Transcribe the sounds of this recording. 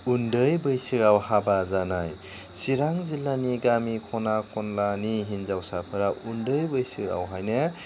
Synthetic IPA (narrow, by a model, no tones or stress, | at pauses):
undɯjbɯjsɯɡawhabazanaj | siɾaŋzilːaniɡamikʰɔnakʰɔnlaniɦinzawsapʰɯɾaundɯjbɯjsɯa̰wɦajnɯ